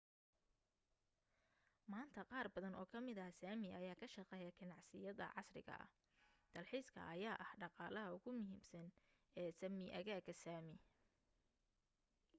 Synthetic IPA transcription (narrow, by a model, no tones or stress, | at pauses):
maːnt̪ʰɐqɑːrbɐðɐnɔːkʰɐmɪðɐsaːmɪʔɐjaːkʰɐʃɑqɛːjɐɡɐnɑʕsɪjɐðɐ̰ʕɑsrɪ̰ɣɐ̰ʔɐ̰h | d̪̥ɐlħiːskʰɐ̰ʔɐjaːʔɐhɖɑqɑːlɐɦɐʊɣʊmʊɦiːmsɐn | ɛːsɐmɪʔɐɣaːɡɐsaːmɪ